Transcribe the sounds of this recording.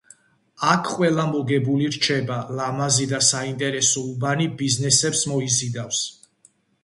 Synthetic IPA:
akʰqʼwɛlˠamɔɡɛbuliɾt͡ʃʰɛbalamazid̪asaint̪ʼɛɾɛsɔubanibiznɛsɛpsmɔizid̪afs

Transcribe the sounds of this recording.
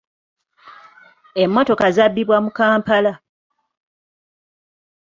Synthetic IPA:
emːo̞to̞kazabːiβwamukaːmpala

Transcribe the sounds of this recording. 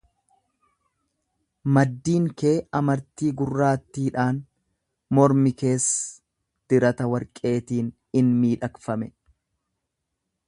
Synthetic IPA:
mɐd̪ːiːŋke̞ːɐmɐɾt̪iːɡʊrːaːt̪ːiːᶑaːn | mɔɾmɪke̞ːsː | d̪̥ɪɾɐt̪ɐwɐɾkʼe̞ːt̪iːn | ɪnmiːᶑɐkfɐmɛ

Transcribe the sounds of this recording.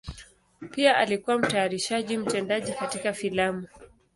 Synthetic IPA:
piaʔalikuwam̩taːɾiʃaʄim̩tɛndaʄikatikafilamu

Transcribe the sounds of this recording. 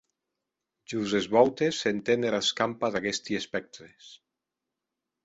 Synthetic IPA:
ʒuzezβɔwt̪esːent̪eneɾlaskampaðaɣest̪iespɛk̚t̪ɾes

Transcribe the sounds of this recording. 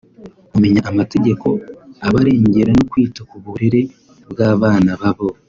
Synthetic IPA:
ume̞ɲaʔːmate̞ɟe̞ko̞aβaɾe̞ːɲɟe̞ɾanokwiːtakuβuɾiɾe̞ | bɡaːβaːnaβaβo

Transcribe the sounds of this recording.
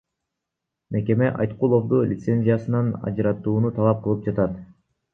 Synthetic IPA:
me̞ke̞meʔɑ̰jt̪qulˠo̞fd̪ulʲʔɪt̪se̞nʲzʲijasɯnɑnɑ̰d͡ʒɯɾɑt̪uːnut̪ʰɑlˠɑp̚qʰɯlˠɯp̚d͡ʒɑt̪ɑt̪

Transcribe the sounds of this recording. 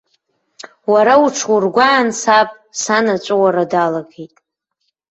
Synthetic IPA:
waɾauʈ͡ʂʰwurɡʷaːnsapʼ | sanat͡ʃʷʼawaɾadalaɡejtʼ

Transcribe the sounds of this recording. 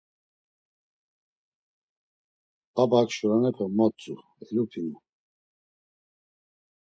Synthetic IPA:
abakʃuɾanɛpʰɔmɔt͡sʼu | ɛlupʰinu

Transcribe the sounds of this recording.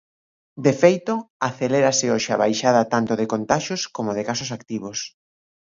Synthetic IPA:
d̪efejt̪oaθeleɾasɪoʃaβajʃað̞ɐt̪ant̪oðɪkont̪aʃoskomoðɪkasʊsakt̪iβ̞os

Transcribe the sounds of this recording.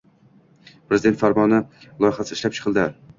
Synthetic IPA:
pʰɾe̞zɪd̪e̞nt̪faɾmɒnɪlˠɒjχasɪɪʃlap̚t͡ʃʰɨ̥qʰɨlˠd̪ɪ

